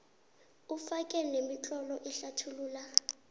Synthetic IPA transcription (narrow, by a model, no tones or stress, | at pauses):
ufakʼɛlɛnemit͡ɬʼɔlɔʔɛɬatʰuluːla